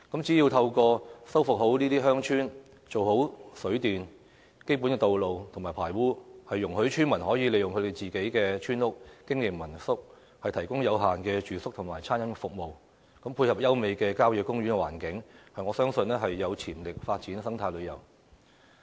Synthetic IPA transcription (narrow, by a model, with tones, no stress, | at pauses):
kɐ˨˥mt͡siː˨˥jiː˧wt̪ʰɐ˧wkɔː˧sɐ˥wfʊ˨k̚ɦo˨˥wniː˥t̪iː˥ɦœː˥ŋt͡ʃʰyː˥n | t͡so˨who˨˥wsɵ˨˥ɥt̪iː˨n | ke˥jp̬uː˨˥nkɛː˧t̪o˨wlo˨wt̪ʰʊ˨˩ŋmaː˨˩pʰaː˨˩jwuː˥hɐ˨jːʊ˨˩ŋhɵ˨˥t͡ʃʰyː˥nmɐ˨˩nhɔː˨˥ji˨˧˥le˨˧jʊ˨ŋkʰɵ˧t̪e˨˩jt͡siː˨ke˨˥jkɛː˧t͡ʃʰyː˥nʊ˥k̚kɪ˥ŋjɪ˨ŋmɐ˨˩nsʊ˥k̚ | hɐ˨jt̪ʰɐ˨˩jkʊ˥ŋjɐ˨˧wɦaː˨nkɛː˧t͡ʃyː˨sʊ˥k̚t̪ʰʊ˨˩ŋma̰ː˨˩jt͡sʰaː˥njɐ˨˥nɛ˧fʊ˨k̚mo˨w | kɐ˨˥mpʰuː˧jhɐ˨p̚jɐ˥wme˨˧jkɛː˧kaː˥wjœː˧˥kʊ˥ŋjyː˨˥nkɛ˧waː˨˩nkɪ˨˥ŋhɐ˨jŋɔː˨˧sœː˥ŋsɵ˧nlɛː˥ɦɐ˨jːɐ˨˧wt͡sʰiː˨˩mlɪ˨k̚faː˧t̚t͡siː˨˥nsɐ˥ŋt̪ʰaː˧jlɵ˨˧jɐ˨˩w